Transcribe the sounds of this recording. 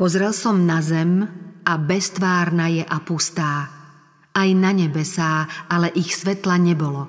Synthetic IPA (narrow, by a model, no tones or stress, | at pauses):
pɔzɾɛlsɔmnazɛmabɛst̪ʋaːɾnajɛʔapust̪aː | ajnaɲɛbɛsaːalɛʔixsʋɛt̪laɲɛbɔlɔ